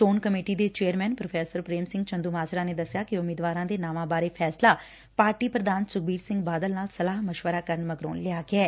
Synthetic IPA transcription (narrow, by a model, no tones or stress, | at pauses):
soːnkəmeːʈiːd̪eːt͡ʃeːəɾmɛːnpɾopʰɛːsəɾpɾeːmsɪ̃ŋɡ̚t͡ʃə̃nd̪uːmaːd͡ʒɾãːneːd̪əsːɪjaːkɪʊmeːd̪ʋaːɾãːd̪eːnaːʋãːbaːɾeːpʰɛːslaː | paːɾʈiːpɾəd̪aːnsʊk̚biːɾsɪ̃ŋɡbaːd̪əlnaːlsəlaːɦməʃʋəɾaːkəɾəɳməɡɾo̰ːnlɪaːɡɪɛː